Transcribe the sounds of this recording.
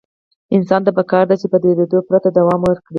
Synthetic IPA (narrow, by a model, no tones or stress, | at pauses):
ɪnsɑnt̪apəkɑɾd̪at͡ʃepəd̪eɾed̪opɾat̪ad̪awɑmwəɾkɽi